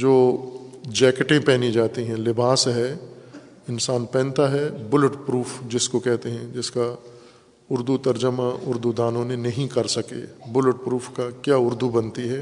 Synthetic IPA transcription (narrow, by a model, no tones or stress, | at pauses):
d͡ʒoː | d͡ʒɛːkʈẽpɛːnid͡ʒaːt̪iɦɛ̃lɪbaːsɦɛ | ɪnsaːnpɛ̃ːnt̪aɦɛbʊləʈpɾuːfʰd͡ʒɪskokɛɦt̪eɦɛ̃d͡ʒɪska | ʊɾd̪ut̪ɐɾd͡ʒəmãʔʊɾd̪ud̪aːnõnenɐɦĩkɐɾsɐkḛbʊlʈpɾuːfʰkakjaːʊɾd̪ubɐnt̪iɦɛː